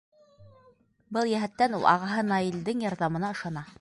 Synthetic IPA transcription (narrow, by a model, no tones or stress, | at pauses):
bɤlˠjæɦæt̪ːænṵlˠɑ̰ʁɑɦɤnɑild̪ɘŋjɑɾðɑmɤ̆nɑɤ̆ʃɑnɑ